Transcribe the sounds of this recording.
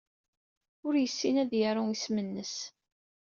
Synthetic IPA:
ʊɾjəsːinæðjəɾˤuŋismənːəs

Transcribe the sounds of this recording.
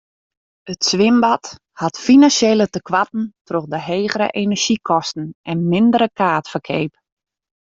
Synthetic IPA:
ətsʋɪmbat | hatfinansjeːlətəkʋatn̩troxdəɦeːɣəɾə̰ʔenərʒ̥ikʰɔstn̩ɛnmɪndəɾəkʰaːtfərkʰeːp

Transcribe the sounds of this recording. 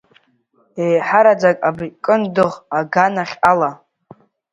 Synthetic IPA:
ejħaɾad͡zakʼabikʼɨndɨʁaɡanaχʲala

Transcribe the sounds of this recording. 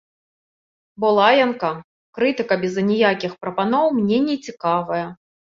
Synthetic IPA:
bɔlˠajɛnkɐ | kɾɨt̪ɨkɐbʲɛzɐnʲijakʲixpɾɐpanɔwmnʲɛnʲɛt͡sʲikavɐjɐ

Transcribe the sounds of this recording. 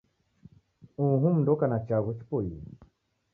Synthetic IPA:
uɦũm̩dɔkanat͡ʃaɣut͡ʃi̥pɔji

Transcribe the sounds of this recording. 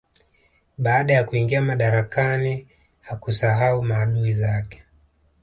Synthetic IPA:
ɓaːɗajakuiŋɡiamaɗaɾakani | hakusaɦaumaːɗuizakɛ̥

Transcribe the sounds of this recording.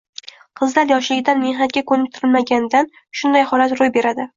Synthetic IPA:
qʰɨzlaɾjɒʃlɪɡʲɪd̪anme̞hnat̪̚ɡʲakʰɵnɪp̚ʲt̪ʰɪɾɪlmaɡʲand̪an | ʃʊnd̪ajhɒlat̪ɾojbe̞ɾad̪ɪ

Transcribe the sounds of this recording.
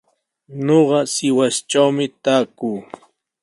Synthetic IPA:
ɲoɢɑsɪwast͡ʃawmɪt̪aːkuː

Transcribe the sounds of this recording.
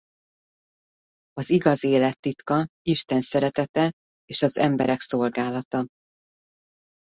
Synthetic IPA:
ɒziɡɒzeːlɛt̪ːit̪kɒiʃt̪ɛnsɛɾɛt̪ɛt̪ɛ | eːʃɒzɛmbɛɾɛkso̞lɡaːlɒt̪ɒ

